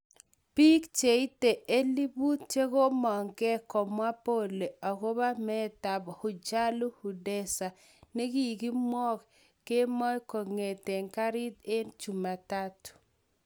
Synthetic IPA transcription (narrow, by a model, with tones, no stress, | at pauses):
pi˦kt͡ʃe˨i˦te˨e˦li˦bu˦tt͡ʃe˦ko˦mɔ˨ŋkɛ˦kɔ˨mwa˦po˦˨le˨a˨ko˦ba˦mɛ˦ta˨bɔ˨hʊ˨t͡ʃa˦lu˦hu˨de˦sa˨ | ne˦ki˦˨ki˦mwɔ˦k | ke˦mɔ˦ko˨ŋe˨te˨ŋka˦ɾi˦te˦nt͡ʃu˨ma˨ta˦tʊ̥˨